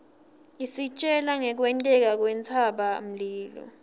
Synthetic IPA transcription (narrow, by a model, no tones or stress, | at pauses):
isit͡ʃʼɛlaŋɛk̬wɛntʼɛk̬ak̬wɛnt͡sʰaɓam̩liːlɔ̰